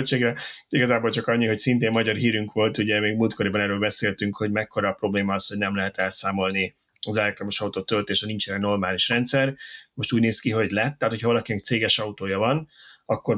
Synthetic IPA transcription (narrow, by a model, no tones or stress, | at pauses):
t͡ʃeːɡrɛiɡɒzaːbolt͡ʃɒkɒɲːiɦo̞csint̪eːmmɒɟɒrɦiːɾyŋkʋo̞lt̪uɟɛmeːɡmult̪ko̞ɾibɒnɛrøːlbɛseːlt̪yŋkho̞ɟmɛkːo̞ɾɒːpro̞bleːmɒɒshoɟnɛmlɛɦɛt̪ɛlsaːmo̞lni | ɒzɛlɛk̚t̪rɒmo̞ʃɒut̪oːt̪ølt̪eːʃɒnint͡ʃɛnɛno̞rmaːliʃrɛnt̪sɛrmo̞ʃt̪uːɟneːskiɦo̞ɟlɛt̪ːɛːt̪ocʰhɒvɒlɒkinɛk̚t̪seːɡɛʃɒut̪oːjɒvɒnɒkːo̞r